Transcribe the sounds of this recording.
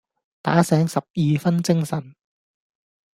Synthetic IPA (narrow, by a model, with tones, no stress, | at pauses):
t̪a̰ː˨˥sɛː˨˥ŋsɐ˨p̚jiː˨fɐ˥nt͡sɪ˥ŋsɐ˨˩n